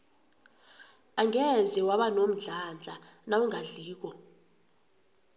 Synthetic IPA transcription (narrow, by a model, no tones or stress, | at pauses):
aŋɛzɛwaɓanom̩ɮand͡ɮʱanawuŋaɮiːk̬ɔ